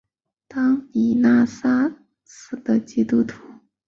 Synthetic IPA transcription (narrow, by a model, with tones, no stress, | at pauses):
t̪ɑ˥ŋni˨˩na˥˩sa˥ | sɹ̩˨˩d̪ə˧˩t͡ɕi˥t̪u˥t̪ʰu˨˩˦